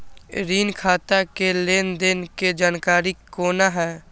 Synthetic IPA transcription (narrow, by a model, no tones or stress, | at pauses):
ɾiːnkʰaːt̪akeleːnd̪ɪnked͡ʒaːnkaːɾikoːnaɦɛː